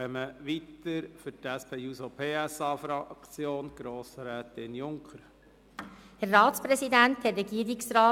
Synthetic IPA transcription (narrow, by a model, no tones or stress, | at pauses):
ɛməʋit̪əɾfʏɾtæspʰeːjusopʰeːæsɑːfɾɑkt͡sjoːnɡ̥ɾoːsɾɛːt̪ɪnjʊŋkχəɾ | hæɾːɑːt̪spɾɛsidænt̪hɛːɛɡiːəɾiksrɑː